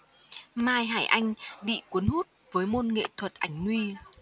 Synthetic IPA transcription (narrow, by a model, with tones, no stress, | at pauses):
maː˧jɦaː˧˩jʔa˧jŋ̟ɓḭ˧˨kwu˨˦nhu˦˥t̚vəː˨˦jmo˧nŋḛ˧˨t̪ʰwə˨˩t̚ʔa˧˩jŋ̟nwi˧